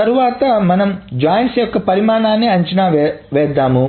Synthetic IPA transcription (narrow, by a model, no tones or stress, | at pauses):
ɐɾuʋaːt̪ɐmɐnɐmd͡ʒaːjɐnsjɔkːɐpɐɾimaːɳaːnːiɐɲt͡ʃɐnaːʋɛːd̪ːaːmu